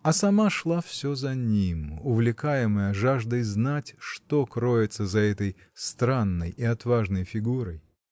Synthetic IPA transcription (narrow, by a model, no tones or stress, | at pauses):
ɐsɐmaʂlˠafsʲozɐnʲimʊvlʲɪkajɪməjəʐaʐd̪əjznatʲʂt̪okɾoɪt̪səzɐɛt̪əj | st̪ɾanːəjɪɐt̪vaʐnəjfʲɪɡuɾəj